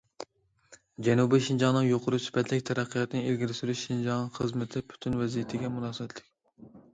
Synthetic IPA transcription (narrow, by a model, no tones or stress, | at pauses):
d͡ʒɛnubiʃind͡ʒɑŋnɨŋjoqʰʊɾusy̥pɛt̪ʰlɪkʲt̪ʰɛɾæqʰːijɑt̪nɪelɡʲiɾɪsyɾyʃʃind͡ʒɑŋnɨχəzmɪt̪ʰɪpʰy̥t̪ʰynvɛzijɪt̪ʰɪɡʲɛmunɑːsɨɛt̪ʰlɪk̚ʲ